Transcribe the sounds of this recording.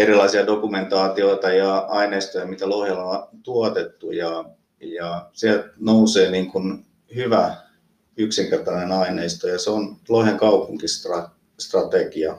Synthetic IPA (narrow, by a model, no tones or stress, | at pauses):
erilɑisiɑdokument̪ɑːt̪ioit̪ɑjɑɑineist̪ojɑmit̪ælohelɑt̪uot̪et̪ːujɑ | jɑsiælt̪nouseːniːŋkun | hyʋæ | yksiŋkert̪ɑnenɑineist̪ojɑseonloheŋkɑupuŋkist̪rɑ | st̪rɑt̪ekiɑ